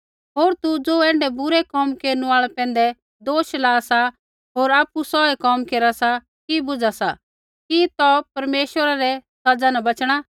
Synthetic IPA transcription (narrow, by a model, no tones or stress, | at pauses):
ɦoːɾt̪ud͡zoːɛ̃ːɳɖɛbʊɾɛkɔːmkeːɾñũaːɭɛpɛ̃ːn̆d̪ɛ | d̪oːʃlaːsa | ɦoːɾaːpusɔɛkɔːmkeːɾasa | kibʊd͡zasa | kit̪ɔpɐɾmeːʃwəɾaɾɛsɐd͡zanãbɐt͡ʃɽ̃a